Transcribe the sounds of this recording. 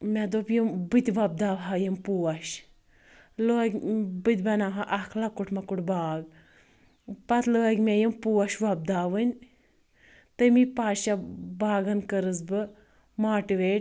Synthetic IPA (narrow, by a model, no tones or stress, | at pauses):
mʲɛd̪oːpjumbɨt̪ʲʋɐb̚d̪aːʋɦajimpuːɐʃ | loɡʲbɨt̪ʲbɐnaʋɦaʔɐkʰlakuʈmɐkuʈbaːɡ | pɐt̪ləːɐɡʲmɛjimpuwɐʃʋɐb̚d̪aːʋɨnʲ | t̪ɨmipaːʃabaːɡɐnkəɾɨzbɨ | maːʈɨʋeːʈ